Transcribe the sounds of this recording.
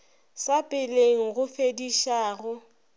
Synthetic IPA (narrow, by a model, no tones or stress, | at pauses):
sapʼɪleŋ̩ɣʊfediʃaːɣʊ